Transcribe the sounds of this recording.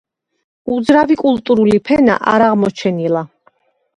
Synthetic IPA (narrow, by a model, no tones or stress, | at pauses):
ud̪zɾavikʼulˠt̪ʼuɾulipʰɛna̰ʔaɾaʁmɔt͡ʃʰɛnilˠa